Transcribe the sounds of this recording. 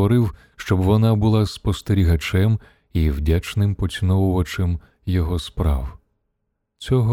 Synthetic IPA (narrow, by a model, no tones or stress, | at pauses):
ɔɾɪw | ʃt͡ʃɔbʋɔnɑbʊlˠɑspɔst̪eɾʲiɦɐt͡ʃɛm | iwdʲat͡ʃnɪmpɔt͡sʲinɔwʊʋɐt͡ʃem | jɔɦɔspɾɑ̰w | t͡sʲɔɦɔ